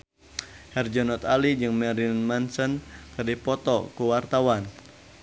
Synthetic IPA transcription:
hɛrd͡ʒɔnɔt̪alid͡ʒɨŋmɛɾinmansənkɨrdipɔt̪ɔkuwart̪awan

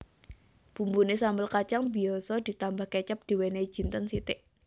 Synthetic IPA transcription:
b̥ṳmbunesambəlkat͡ʃaŋbiɔsɔd̪̥i̤t̪ambahkɛt͡ʃəp̚d̪̥i̤wene̥d͡ʒ̥i̤nt̪ənsit̪ɪʔ

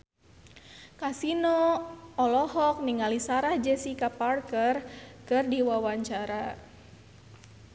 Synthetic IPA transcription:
kasinoɔlɔhɔk̚niŋalisaɾahd͡ʒɛsikaparkərkɨrdiwawaɲt͡ʃaɾa

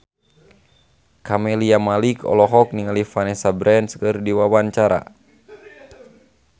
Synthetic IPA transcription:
kamɛliamalikɔ̰lɔɦɔk̚niŋalifanɛsabɾɛnskɨrdiwawaɲt͡ʃaɾa̰

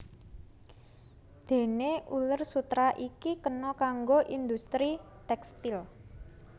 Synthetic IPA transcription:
d̪̥e̤neʔulərsut̪ɾaʔikikənɔkaŋɡoʔind̪ust̪ɾi | t̪ɛkst̪il

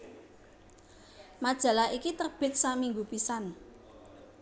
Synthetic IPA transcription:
mad̥ʒ̥a̤laikit̪ərb̥ɪ̤t̪̚samiŋɡupisan

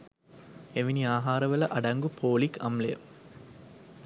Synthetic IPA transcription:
eʋiniaːɦaːɾɐʋɐlɐʔɐɖɐŋɡupʰoːlikʰɐ̰mlɐjɐ̰

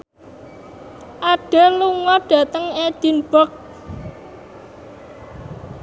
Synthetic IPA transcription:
ʔaɖ̥eluŋɔɖ̥a̤t̪əŋed̪̥i̤nb̥ək̚

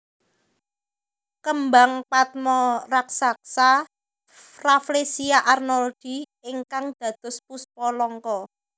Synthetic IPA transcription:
kəmbaŋpat̪̚mɔraksak̚sa | raflesiaʔarnɔld̪̥i̤ | iŋkaŋd̪̥ä̤d̪̥ʊ̤spuspɔlɔŋkɔ

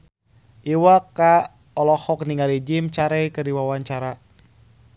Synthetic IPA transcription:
ʔiwaka | ɔlɔhɔkniŋalid͡ʒɪmt͡ʃaɾɛjkəriwawaɲt͡ʃaɾa

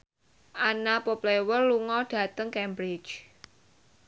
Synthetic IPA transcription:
ʔanapoplewərluŋɔɖ̥ä̤t̪əŋkɛmbɾɪ̥t͡ʃ

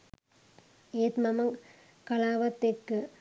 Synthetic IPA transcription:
eːt̪mɐmɐŋ | kɐlaːʋɐt̪ːekːɯ

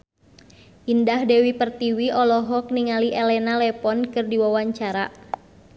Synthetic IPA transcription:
ʔindahdɛwipərt̪iwiʔɔlɔɦɔk̚niŋaliʔɛlɛnalɛpɔnkɨrdiwawaɲt͡ʃaɾa

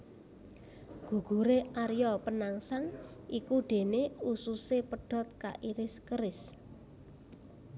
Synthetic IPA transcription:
ɡ̥ṳɡ̥ṳɾeaɾjɔpənaŋsaŋʔikuɖ̪̥e̤neususepəɖ̥ɔ̤t̪̚ka̰ʔiɾɪskəɾɪs

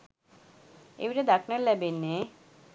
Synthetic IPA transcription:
ḛwɾed̪akʰnaɾlɛbenːe

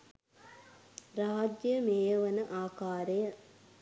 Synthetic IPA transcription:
ɾaːd͡ʒjəmeːjɐʋɐnəʔaːkaːɾejɐ

